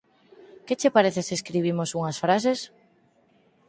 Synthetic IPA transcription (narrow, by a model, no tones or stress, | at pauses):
ket͡ʃepaɾeθeseskɾiβ̞imosuŋasfɾas̬es